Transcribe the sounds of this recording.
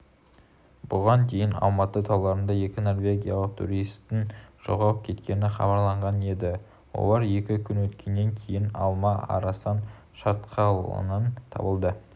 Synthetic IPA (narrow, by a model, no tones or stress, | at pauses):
bʊʁɑnt̪ʰe̞jɪnɑ̰lˠmɑt̪ət̪ʰɑwˠlˠɑɾənd̪ɑje̞kʲɪno̞rvʲe̞ɡʲijaɑlˠəq̚t̪ʰṵɾijst̪ːɪnʒ̥oʁɑlˠəp̚kʲʰe̞t̪kʲe̞nɪχɑ̰bɑɾlˠɑɴʁɑne̞d̪ɪ | wo̞̰lˠɑɾje̞kʲɪkʲʰʏnwɵt̪kʲe̞nːe̞ŋkʲʰe̞jɪnɑ̰lˠmɑɑ̰ɾɑsɑn | ʃɑɾt̪qʰɑlˠə̰nənt̪ʰɑ̰bəlˠd̪ə